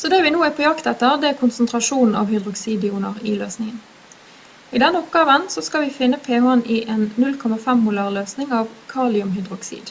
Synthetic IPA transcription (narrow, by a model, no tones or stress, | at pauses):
sɔd̪ɛːʋɪnuːæpʰɔjɑkt̪ɛt̪ːəʁd̪ɛækʰʊnsənt̪ʰʁɑʂuːnn̩ɑ̰ʋhʏd̪ʁʊksiːd̪ɪuːnəʁɪløːsnɪŋən | ɪd̪ɛnːəɔpɡɑːʋənsɔskɑlʋɪfɪnːəpʰeːhɔnɪʔeːnnʉlkʰɔmɑfɛmmʊlɑʁløːsnɪŋɑːʋkʰɑːlɪʊmɦʏd̪ʁʊksḭːd̪